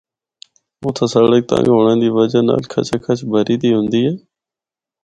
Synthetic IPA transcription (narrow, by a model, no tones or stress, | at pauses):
oːt̪ʰəsaːɽək̚t̪ã̰ːŋɡɦoːɳãːd̪iːʋəd͡ʒəna̰ːlkʰə̰t͡ʃʰəkʰət͡ʃʰbʱəɾiːd̪iːɦʊ̃nd̪iːɛː